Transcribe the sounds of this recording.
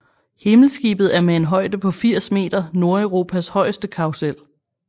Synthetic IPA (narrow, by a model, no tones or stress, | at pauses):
he̝ml̩sɡ̥ḭːb̥ð̩ˠæɐmeenɦɒ̽ɪ̰d̥əpʰɒ̽fiɐ̰sme̝̰ːd̥ɐno̝ɐeʊʁo̝ːpʰæshɒ̽ɪ̰əsd̥əkʰɑ̈ʊsel̰